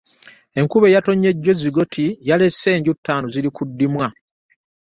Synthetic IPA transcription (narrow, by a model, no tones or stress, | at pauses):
e̞ŋkuβe̞jato̞ɲːe̞ɟːo̞ziɡo̞tʰijale̞se̞ːɲɟutːaːnozilikudːimwa